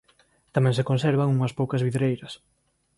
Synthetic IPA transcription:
t̪amɛ̃ŋsekonsɛɾβaŋuŋɐspowkɐzβiðɾejɾɐs

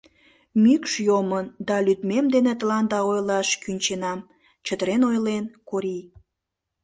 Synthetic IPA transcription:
mykʃjomənd̪ɑlyt̪memd̪enet̪əlɑnd̪ɑojlɑʃkynʲt͡ɕenɑm | t͡ɕət̪əɾenojlenkoɾi

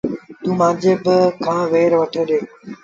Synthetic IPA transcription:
t̪ũːmãːd͡ʑeːbɪkʰãːʋeːɾʋəʈʰeːɗeː

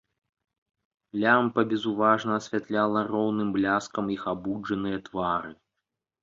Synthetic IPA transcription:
lʲampɐbʲɛzuvaʐnɐːsʲvʲat̪lʲalˠɐrɔwnɨmblʲaskɐmixabud͡ʐɐnɨjɐt̪vaɾɨ

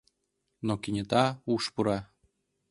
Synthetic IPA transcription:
nokinʲɘ̆t̪ɑuʃpuɾɑ

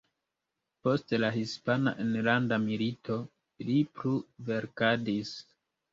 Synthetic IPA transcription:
po̞stelahispana̰ʔenlandamilito̞ | lipluve̞ɾkadis

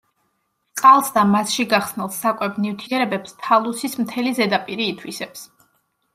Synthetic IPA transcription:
qʼalˠsd̪amasʃiɡaχsnilˠsːakʼwɛbnift̪ʰiɛɾɛbɛpst̪ʰalˠusismt̪ʰɛlizɛd̪apʼiɾiːt̪ʰwisɛps

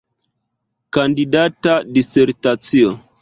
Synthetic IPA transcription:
kandidatadiseɾtat͡sio

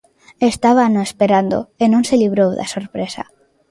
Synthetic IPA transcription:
est̪aβ̞anoespeɾand̪o̰enõŋseliβ̞ɾowða̰soɾpɾesa̰

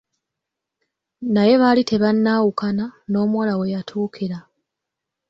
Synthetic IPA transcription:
naje̞βalite̞βanːaːwukanano̞ːmwalawe̞jatʰuːkʰiɾa

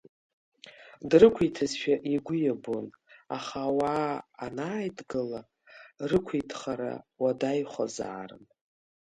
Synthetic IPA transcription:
drɨkʷʰijtʰazʃᶣaʔiɡʷʊjabona̰χawaːnaːjdɡɨla | rɨkʷʰijtʰχaɾa̰wadajχʷa̰za̰ːrɨ̰n

